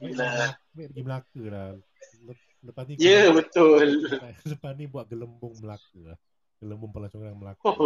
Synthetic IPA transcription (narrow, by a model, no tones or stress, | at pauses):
la | bɪʔpəɡiməlakəla | lə | ləpasnijəbət̪ʊlləpanibuaʔ̚ɡələmbʊŋməlakəlah | ɡ̥ələmbʊŋpəlat͡ʃoŋɾaŋməlak